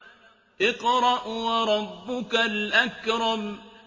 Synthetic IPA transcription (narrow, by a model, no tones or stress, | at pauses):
ʔɪqɾˤɑʔwɑɾˤɑbːʊkalʔakɾˤɑm